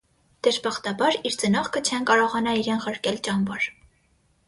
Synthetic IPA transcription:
d̪̥əʃbɑχt̪ɑbɑɾiɾt͡sənɔχkʰət͡ʃʰɛnkɑɾɔʁɑnɑiɾɛnʁəɾkɛlt͡ʃɑnvɑɾ

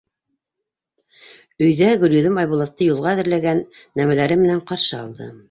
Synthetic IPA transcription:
ɵ̆jðæɡɵ̆ɾʲjɵ̆ðɘmɑjβulˠɑt̪ːɤjulˠʁɑæðɘ̆ɾlæɡænːæmælæɾɘmɘ̆næɴqɑɾʃɤɑ̰lˠd̪ɤ̰

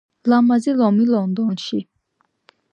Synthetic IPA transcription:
lamazilɔmilɔnd̪ɔnʃi

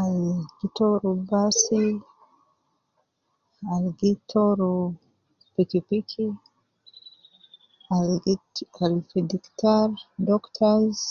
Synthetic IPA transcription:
alɡitoɾubasi | alɡitʰoɾu | pikipikʰi | aɡalfidiktaɾdɔktʰaz

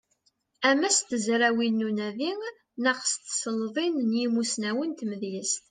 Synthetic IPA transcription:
æmæst̪əzɾæwinːunæðiŋ | nəqst̪səlðˤinnjimusnæwənt̪məðjəst̪

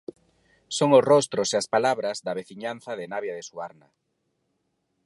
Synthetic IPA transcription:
soŋosrɔst̪ɾoseaspalaβɾazðaβeθiɲanθaðɪnaβjaðesuaɾna

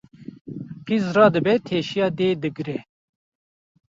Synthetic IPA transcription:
qizrɑːd̪ɨbɛt̪ʰeːʃijɑːd̪eːd̪ɨɡɾɛ

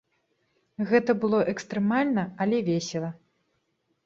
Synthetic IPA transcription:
ɣɛt̪ɐbɨlˠɔʔɛkst̪ɾɛmalʲnɐɐlʲɛvʲɛsʲɛlˠɐ

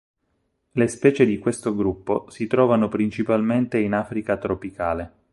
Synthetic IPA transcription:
lespɛːt͡ʃed̪ikwest̪oɡɾupːosit̪ɾɔːvanopɾint͡ʃipalment̪einafɾikat̪ɾopikaːle

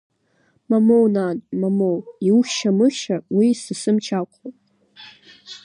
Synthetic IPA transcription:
mamownaːnmamowiuxʲʃamɨʃawisɨsɨmt͡ʃʰaqʷʰowtʼ

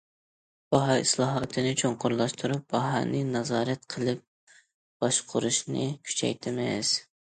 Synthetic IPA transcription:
b̥ɑɦɑislˠɑːɦɑt̪ʰɨnɨt͡ʃʰoɴqʰʊɾlˠɑʃt̪ʰuɾup̚bɑɦɑ̰nɨnɑzɑːɾɛt̪qʰəlˠɨp̚ | b̥ɑʃqʰʊɾuʃnɨ̰kʲʰy̥t͡ʃʰɛ̰jt̪ʰɪmɪ̰z̥

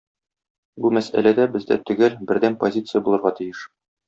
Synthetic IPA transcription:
bumæsæ̰læd̪æbɘ̆zd̪æ̰t̪ɵ̆ɡælbɘ̆ɾd̪ænpozʲit̪sɨjəbulˠɤ̆ɾʁɑt̪ijɘʃ

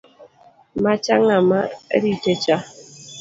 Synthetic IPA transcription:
mat͡ʃaŋamaḛditet͡ʃa

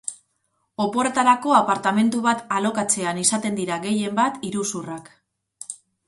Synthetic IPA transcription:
o̞po̞ɾet̪aɾako̞apaɾt̪ame̞nt̪uβat̪alo̞kat͡se̞anisat̪e̞nd̪iɾaɣe̞je̞mbat̪iɾusurak

